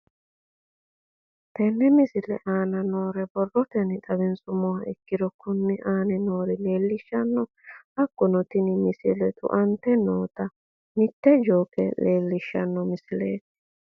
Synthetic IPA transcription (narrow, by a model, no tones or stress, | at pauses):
t̪ɛnːɛmɪsɪlɛ̰ʔaːnɐno̞ːɾɛbɔrːɔt̪ɛnɪt̪ʼɐbɛnsʊmɔwɐɛkːɪd̪ɔkʊnːɪʔaːnɛnoːɾɪle̞ːlːɪʃːɐnːɔ | ʔɐkːɔnɔt̪ɪnɪmɪsɪlɛt̪ʊ̰ʔɐnt̪ɛnoːt̪ɐ | mɪt̪ːɛd͡ʒoːkɛ̰leːlːɪʃːɐnːɔmɪsɪlḛːt̪ːɪ̥